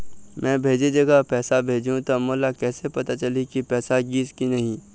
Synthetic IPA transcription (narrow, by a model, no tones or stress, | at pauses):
mɛ̃ːbʱeːd͡ʒed͡ʒɐɡapɛːsabʱeːd͡ʒũt̪omoːlakɛːsepɐt̪at͡ʃɐlikipɛːsaɡiːskinɐɦĩ